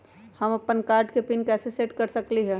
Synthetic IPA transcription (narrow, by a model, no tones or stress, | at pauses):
hɐmɐpːənkaːɾɖkepinkɛːseseːʈkɐɾsɐkliɦɛː